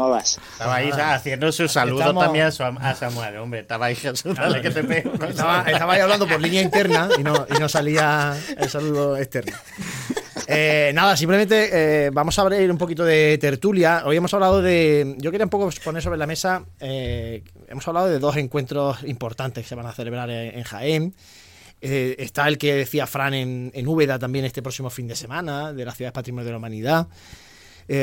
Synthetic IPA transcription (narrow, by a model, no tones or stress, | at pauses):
oβas | t̪aβaisaaθjend̪osussaluðomt̪amjẽŋasasamwelombɾet̪aβaixasut̪alekesepeunot̪aβaest̪aβaiaβland̪opo̞ɾlinjaint̪e̞ɾnainoinosaliaelsaluðoeht̪e̞ɾno | enaðasimpleẽnt̪e̞eβamo̞saβɾeɾump̬o̞kit̪oðe̞t̪e̞ɾt̪uljao̞je̞mosaβlaðo̞ðe̞ɟ͡ʝo̞keɾiaumpo̞kopo̞ne̞ɾsoɾe̞lamesae | ḛmosaβlaðoðe̞ðo̞se̞ŋkwe̞nt̪ɾo̞simpo̞ɾt̪ant̪eke̥se̞βaŋaθe̞le̞β̞ɾaɾḛŋxa̰en | eest̪ae̞lke̞ðeθiafɾanenenuβe̞ðat̪ambje̞nest̪epɾo̞simo̞find̪e̞se̞mãnaðe̞lahθjuðaðepat̪ɾimonjðelaumãniða